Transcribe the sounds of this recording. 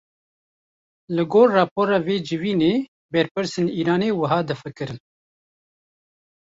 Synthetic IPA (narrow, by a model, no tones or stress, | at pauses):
lɨɡoːɾːɑːpoːɾɑːveːd͡ʒɨviːneː | bɛɾpɨɾseniːɾɑːneːwɐɦɑːd̪ɨfɨkɨɾɨn